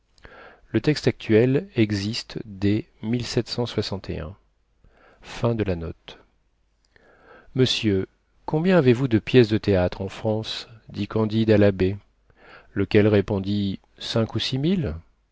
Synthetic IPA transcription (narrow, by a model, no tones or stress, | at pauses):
lət̪ɛkst̪ak̚t̪ɥɛlɛɡzist̪d̪e | milsɛt̪sɑ̃swasɑ̃t̪ʰḛɛ̰̃ | fɛ̃d̪əlanɔt̪ | məsjø | kɔ̃bjɛ̃avevud̪əpjɛsd̪ət̪eat̪χɑ̃fχɑ̃sd̪ikɑ̃d̪id̪alabe | ləkʲɛlʁepɔ̃d̪i | sɛ̃kusimil